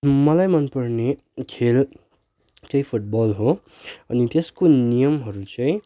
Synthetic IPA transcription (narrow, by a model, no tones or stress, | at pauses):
mʌlajmʌnpʌrne | kʰel | tʌj̃pʰuʈ̚bʌlɦo | ʌnit̪eskonijʌmɦʌɾut͡sʌ̃ĩ